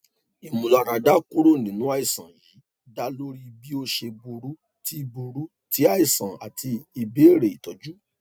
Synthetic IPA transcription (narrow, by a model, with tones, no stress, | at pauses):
i˨mũ˨la˨˧˨ɾa˨˧da˦ku˦ɾo˦˨nĩ˨˦nũ˨˦a˦˨i˨sã˨ji˨˦ | da˦lo˦ɾi˦˧bi˦o˦ʃe˧bu˧ɾu˦ | ti˦˧bu˧ɾu˦ | tʰi˨˦a˦˨i˨sã˨a̰˨tʰi˧i˧be˦˨ɾe˨i˨tɔ˨˦d͡ʒu˦